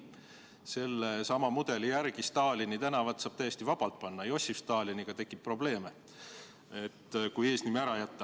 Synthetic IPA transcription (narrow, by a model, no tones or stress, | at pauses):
se̞lːesɑmɑmud̪̥e̞lijærɡ̥ist̪ɑːlʲinit̪ænɑvɑt̪sɑːb̥t̪æjest̪ivɑb̥ɑlt̪̚ˑpɑnːɑejo̞sʲːifst̪ɑːlʲiniɡ̥ɑt̪e̞kːˑip̚pːro̞ble̞ːme | e̞t̪ːkuje̞ːsnimæɾɑjæt̪ːɑ